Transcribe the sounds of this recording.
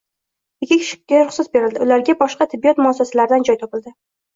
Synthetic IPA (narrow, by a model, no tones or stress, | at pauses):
ɪkʲːɪkʰʲɪ̥ʃɪ̥kʲkʲaɾʊχsɪzbe̞ɾɪld̪ɪʊlaɾɡʲabɒʃqɑt̪ʰɪbːijɒt̪mʊasːasalaɾɪd̪and͡ʒɒjt̪ʰɒpɪld̪ɪ